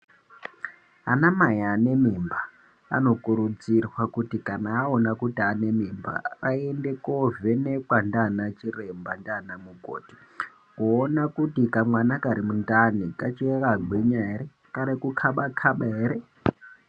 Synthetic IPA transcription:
a̰namajaːne̞mimba | a̰no̞kuɾud͡zirwakutikanaːonakutiane̞mimba̰aende̞kovenekwandanat͡ʃirembandanamuko̰ːti̥ | kuonakutikamwanakaɾimundanikat͡ʃieraɡʱwiɲaɦeɾe | kaɾekukʰaɓakʰaɓaɦeɾe

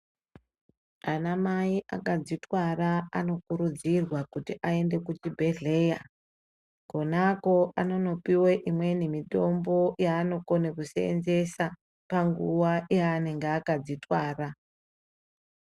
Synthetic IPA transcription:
anamaiʔakad͡zitwaɾaano̞kuɾud͡zirwakutiʔae̞nde̞kut͡ʃibʱe̞ɮe̞ja | ko̞nako̞ano̞no̞piweʔimwe̞nemito̞mbo̞jaːno̞ko̞nekusḛnze̞sa | paŋɡuwaʔiaːne̞ŋɡeakad͡zitwaːra

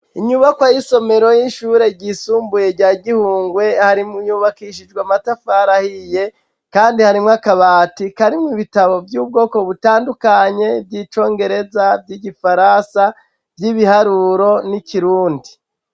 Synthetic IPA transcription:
iɲuβakwajiso̞me̞ɾo̞jiʃuːɾe̞ɟisuːmbuje̞ɾɟaːɟihuːŋɡwe̞haɾimuɲuβakiʃ̬id͡ʒɡwamatafaɾahije̞ | kaːndihaɾimŋakaβaːtikaɾimiβitaβo̞vjuːb̚ɡo̞ːko̞βutaːndukaɲe̞vjiːt͡ʃo̞ːŋɡe̞ɾe̞zavɟiɟifaɾasa | vjiβihaɾuɾo̞niciɾuːndi

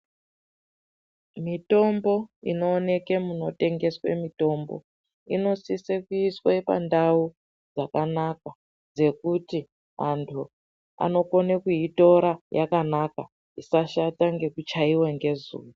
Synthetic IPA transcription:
mito̞mbo̞ḭno̞ːne̞ke̞muno̞te̞ŋɡe̞swḛmito̞mbo̞̰ | ino̞sisekuiswepa̰ndau | d͡zakanaka | d͡ze̞kuti | ɦa̰ntʰu | a̰no̞ko̞nekuito̞ɾajakanaka | isaʃataŋɡe̞kut͡ʃaiweŋɡe̞zṵːwo

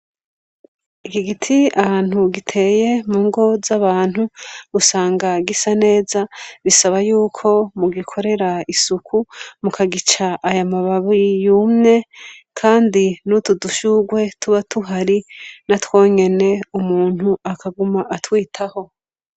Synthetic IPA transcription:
ikiɡitʰiahaːn̥huɡitʰe̞ːje̞muːŋɡo̞zaβaːn̥huɡusaːŋɡaɡisane̞ːzaβisaβajuːkʰo̞muɡikʰo̞ɾe̞ɾaisukʰumukʰaɡit͡ʃaʔːjamaβaβijumŋe̞kʰaːndinutuduʃuɡwe̞tuβatuɦaɾinatwo̞ːɲe̞ne̞umuːn̥huakaɡumaʔatwiːtʰaho̞

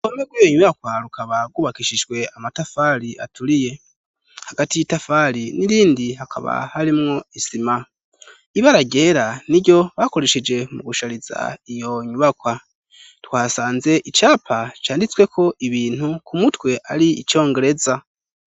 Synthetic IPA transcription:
omeɡwijoɲuβakwaɾukaβaɡuβakiʃid͡ʒɡwe̞amatafaɾiʔa̰tʰuɾije̞ | haɡ̥atijitafaɾiniɾiːndiɦakʰa̰βa̰haɾimŋo̞isima | iβaɾaɟe̞ːɾaniɟo̞βako̞ɾeʃed͡ʒe̞muɡuʃaɾiza̰ijo̞ɲuβakwa | twaːsaːnze̞ʔit͡ʃaːpʰat͡ʃaːndit͡swe̞kʰo̞ʔiβiːn̥hukʰumutwe̞ʔaɾiit͡ʃo̞ːŋɡe̞ɾe̞za

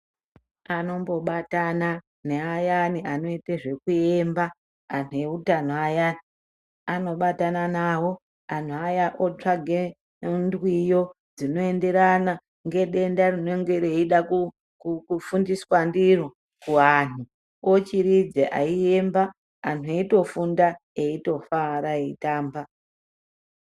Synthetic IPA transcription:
ano̞mbo̞ɓatana | neajaniano̞iteʐe̞kue̞mba | an̤ue̞utan̤oajani | ano̞ɓatananawo̞ | an̤uajaʔot͡ʂaɡʱe | ndwijo̞ | d͡zino̞ende̞ɾana | ŋɡe̞ɗe̞ndarine̞ŋɡe̞ɾeiɗaku | kkufundiswandiro | kuɦan̤u | ot͡ʃiɾid͡zeʔa̰ie̞mba | an̤ueito̞funda | eito̞faɾaeitaːmba

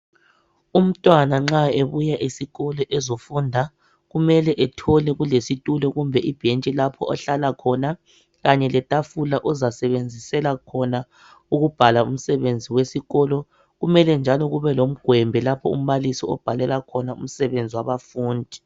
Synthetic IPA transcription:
um̩tʼwanaŋ͡ǁaeβujaʔisiɣɔlɔʔɛzofundʱa | ɣumɛlɛʔɛtʰɔlɛɣulesitʼulɔɣumbʱɛʔib̥ʱent͡ʃʼilapʰɔɔɬalakʰɔna | ɣaɲɛlɛtʼafulaʔɔzasɛβend͡zʱisɛlakʰɔna | uɣub̥ʱalaum̩sɛβend͡zʱiwesiɣɔlɔ | ɣumɛlɛnd͡ʒʱalɔɣuβɛlom̩ɡ̥ʱwɛmbʱɛlapʰɔṵm̩βalisiɔ̰b̥ʱalɛlakʰɔnaṵm̩sɛβend͡zʱiwaβafuːndʱi

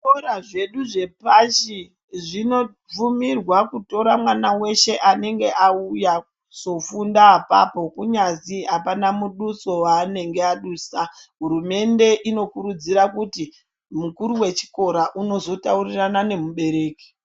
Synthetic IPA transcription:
oɾaʐe̞ɗuʐe̞paʃi | ʐino̞ | b͡vumirwakuto̞ɾamwanawe̞ʃe̞ʔane̞ŋɡe̞ʔauja | so̞fundaapa̰po̞kuɲaziɦapanamuɗuso̞waːne̞ŋɡe̞aɗuːsaɦuɾume̞nde̞ʔino̞kuɾud͡ziɾakuti | mukuɾuwe̞t͡ʃi̥ko̞ɾaʔuno̞zo̞tauriranane̞muɓe̞ɾe̞ːki̥

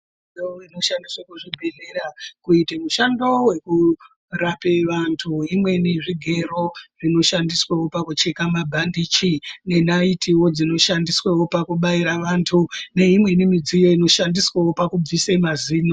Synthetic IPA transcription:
ooino̞ʃandiswakuʐibʱeɮe̞ɾakuitemuʃando̞we̞ku | rapeʋantʰuimwe̞niʐiɡʱe̞ro̞rino̞ʃandiswawo̞pakut͡ʃe̞kamabʱandiːt͡ʃine̞naitʰiwo̞d͡zino̞ʃandiswewo̞pakuɓaiɾaʋantʰune̞imwe̞nimid͡zijo̞ino̞ʃandiswawo̞pakub͡visemaziːno

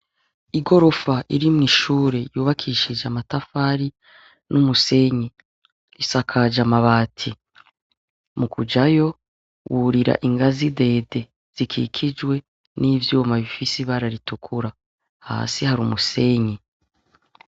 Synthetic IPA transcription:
iɡo̞ɾo̞faʔiɾimŋiːʃuːɾe̞juːβakʰiːʃid͡ʒeamatafaːɾi | numuse̞ɲi | isakʰad͡ʒamaβaːtʰi | mukud͡ʒajo̞ | wuɾiɾa̰ʔiŋɡazide̞ːde̞ | z̥ikʰḭkʰid͡ʒwe̞ | niːvjuːmaβifisiβaɾaɾitukʰuɾa | ha̰ːsihaɾumuse̞ɲi

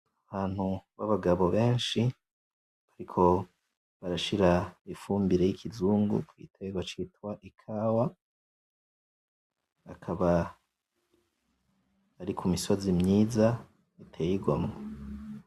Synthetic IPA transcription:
aβaːn̥huβaβaɡaβoβeːnʃi | βaɾikʰo̞ | βaɾaʃiɾaifuːmbiɾe̞jikʰizuːŋɡṵkwḭtʰeβeɡwat͡ʃitwaʔikʰaːwa | akʰaβa | ɾikʰumiso̞zimɲiːza | itʰeːjiɡwamŋo

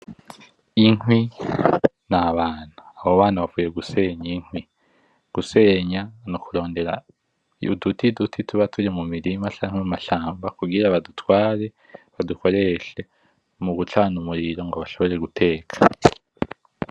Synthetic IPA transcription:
iŋwi | naβaːn̥aːβoβaːnaβavuːjeɡuse̞ɲiŋ̥hwi | ɡ̥use̞ɲanokuɾo̞ːnde̞ɾa̰ | ṵdutidutʰitʰuβatʰuɾimumiɾimat͡ʃaːŋ̥wemumaʃaːmbakuɡiɾaβadutʰwaːɾe̞ | βaduko̞ɾe̞ʃe̞ | muɡut͡ʃaːnumuɾiɾo̞ŋɡoβaʃo̞βo̞ɾe̞ɡutʰe̞ːkʰḁ

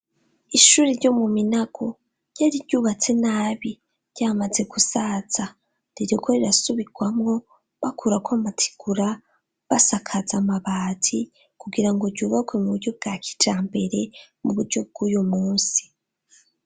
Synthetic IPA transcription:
iʃuːɾeɾɟo̞muminaɡ̥o̞ | ɾɟ̥aːɾiɾɟuːβat͡se̞naːβi | ɾɟ̥aːmaze̞ɡusaz̥a | ɾiɾikʰo̞ɾiɾasuβiɡ̥wamŋo̞ | βakʰuɾakwamatʰi̥ɡ̥uɾa | βasakʰazamaβaːtʰi | kuɡiɾaŋɡo̞ɾɟuːβakwe̞muβuɾɟob̚ɡ̥aːkʰi̥t͡ʃaːmbe̞ɾe̞muβuɾɟo̞b̚ɡ̥ujumuːnsi̥

